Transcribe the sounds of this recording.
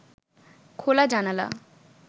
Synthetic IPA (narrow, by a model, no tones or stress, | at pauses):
kʰolad͡ʑanala̰